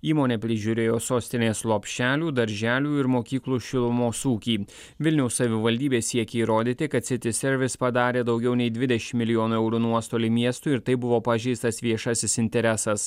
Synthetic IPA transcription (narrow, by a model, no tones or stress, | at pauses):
iːmoːnʲeːpʲɾʲɪʒʲʊɾʲeːjoːsoːsʲt̪ʲɪnʲeːslˠoɔpʲʃʲt͡ʃʲæːlʲuːd̪ɐɾʲʒʲæːlʲuːɪɾmoːkʲiːklˠuːʃʲɪlˠmoːsuːkʲiː | ʋʲɪlʲnʲɛʊssɐʋʲɪʋɐlʲd̪ʲiːbʲeːsʲiɛkʲeiːɾoːd̪ʲiːt̪ʲɪkɐt̪sʲɪt̪ʲɪsʲɛɾʲʋʲɪspɐd̪ɑːɾʲeːd̪ɐʊɡʲɛʊnʲɛɪd̪ʲʋʲɪd̪ʲɛʃʲɪmmːʲɪlʲɪjoːnuɛʊɾuːnuɔst̪oːlʲɪmʲiɛst̪ʊɪɾt̪ɐɪbʊʋoːpɐʒʲɛɪst̪ɐsʋʲiɛʃɐsʲɪsɪnʲt̪ʲɛɾʲɛsɐs